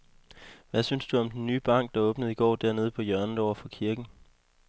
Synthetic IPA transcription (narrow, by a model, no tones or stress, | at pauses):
ʋæsynsd̥uɒ̽md̥enːyːb̥ɑ̈ŋ̰ɡ̥̚d̥ɑ̈ɔ̽ːb̥nəð̩ˠiɡ̥ɒ̰ːd̥æɐne̝ð̞ˠpʰɒ̽jœɐnn̩ˠɒʊ̰ɐfɒ̽kʰiɐɡ̥n̩